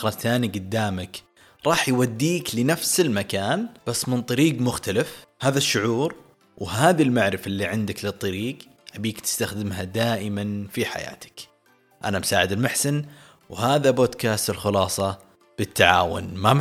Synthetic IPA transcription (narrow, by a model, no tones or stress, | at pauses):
ɾˤɑθaːniɡʊd̪ːaːmak | ɾˤɑːħjwad̪ːiːklɪnafsɪlmakaːnb̥asːmɪnt̪ˤɑɾiːɡmʊxt̪alafhaːðaʃːʊʕuːɾ | wɦaːðilmaʕɾɪfaʔɪlːiʕɪnd̪aklɨt̪ˤːɑɾiːɡ | habiːkt̪ɪ̥st̪axd̪ɪmɦad̪aːʔɪmanfiħa̰ja̰ːt̪ɪ̥k | ʔa̰namsaːʕɪd̪ɪlmaħsɪn | whaːðaboːd̪kaːst̪ɪlxʊlɑːsˤɑ | b̥ɪt̪ːaʕa̰ːwʊ̰nma